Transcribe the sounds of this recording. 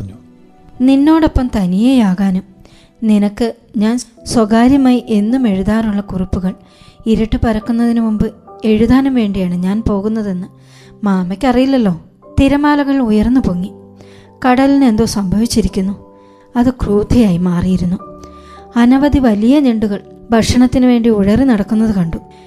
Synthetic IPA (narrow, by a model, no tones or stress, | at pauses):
ninːo̞ːɽo̞pːɐmt̪ɐnijejaːɣaːnum | ninɐkːɨ | ɲaːnswɐɣaːɾjɐmajiʔe̞nːume̞ɻuðaːnuɭːɐkurupːuɣɐɭ | iɾiʈːɨpɐɾɐkːunːɐðinumumbɨe̞ɻuðaːnumʋe̞ːɳɖijaːɳɨɲaːnpo̞ːɣunːɐðe̞nːɨ | maːmɐkʲːɐrijilːɐlːo̞ː | t̪iɾɐmaːlɐɣɐɭujɐrnːupoːŋːi | kɐɽɐline̞nd̪o̞ːsɐmbʱɐʋit͡ɕːiɾikʲːunːu | ɐðɨkruːd̪ʱɐjaːjimaːrijiɾunːu | ɐnɐʋɐd̪ʱiʋɐlijɐneɳɖuɣɐɭ | bʱɐkʂɐɳɐt̪ːinɨʋe̞ːɳɖiuɻɐrinɐɽɐkːunːɐðɨkɐɳɖu